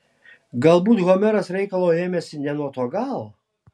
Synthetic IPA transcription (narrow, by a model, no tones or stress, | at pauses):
ɡɐlˠbuːt̪ɣɔmʲɛɾɐsɾʲɛɪkɐlˠoːeːmʲɛsʲɪnʲɛnuɔt̪oːɡɑlˠ